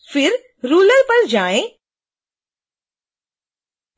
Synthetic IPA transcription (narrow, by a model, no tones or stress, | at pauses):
fɪɾ | ɾuːləɾpəɾd͡ʒaːẽ